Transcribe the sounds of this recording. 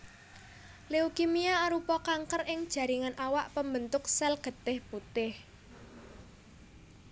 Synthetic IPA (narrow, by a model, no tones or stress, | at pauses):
leukimiaːɾupɔkaŋkərɪŋd̥ʒ̥a̤ɾiŋanʔawaʔpəmbənt̪ʊksɛlɡ̥ə̤t̪ɪhput̪ɪh